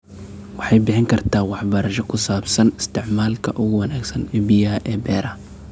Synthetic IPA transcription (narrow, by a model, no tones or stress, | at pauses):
wɑħɑjbɪħɪŋkʰɐrt̪ʰaːwɑħbɐɾɐʃɐkʰʊsaːbsɐnɪst̪ʰɪʕmaːlkʰɐʔʊɣʊwɐnaːɡsɐnɛbɪjaʔɛːbɛːɾɐ